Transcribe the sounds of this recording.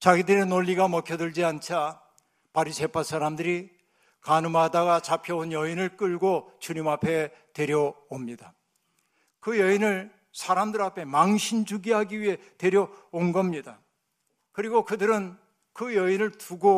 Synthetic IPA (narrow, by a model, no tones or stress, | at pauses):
t͡ɕaɡidɯɾenoʎːiɡamʌkʰjʌdɯɭd͡ʑiant͡ɕʰa | paɾisʰe̞pʰas͈ʰaɾamdɯɾi | kanɯmɦadaɡat͡ɕapʰjʌonjʌinɯɭk͈ɯɭɡot͡ɕʰuɲimapʰe̞twe̞ɾjʌomɲida | kɯjʌinɯɭ | sʰaɾamdɯɾapʰe̞maŋɕʰind͡ʑuɡiɦaɡiɥiɦe̞twe̞ɾjʌonɡʌmɲida | kɯɾiɡokɯdɯɾɯn | kɯjʌinɯɭtuɡo